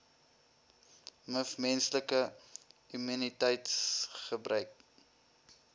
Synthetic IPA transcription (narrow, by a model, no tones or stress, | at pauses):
məfmɛnsləkə | yminitɛjtsχəbrʔœɥk̚